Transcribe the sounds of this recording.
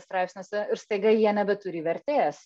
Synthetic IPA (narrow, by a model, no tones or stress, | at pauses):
st̪ɾɑˑɪpsʲnʲesɛɪɾst̪ɐɪɡɐjiɛnʲɛbʲɛtʊɾʲɪːʋʲɛɾʲt̪ʲeːs